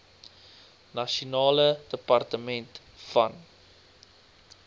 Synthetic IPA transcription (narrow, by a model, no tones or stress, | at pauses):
nɐʃunɑːlədəpɐrtəmɛnt | fɐ̰n